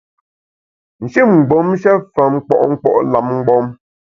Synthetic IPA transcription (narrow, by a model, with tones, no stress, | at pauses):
n̩˨ʃi˦˨mŋ̩˨ɡ͡bɔ˨˦m˦ʃɛ˦fa˨m̩˦k͡pɔ̰˦˨ʔŋ̩˦k͡pɔ̰˦˨ʔla˨m̚ŋ̩˦ɡ͡bɔ˦m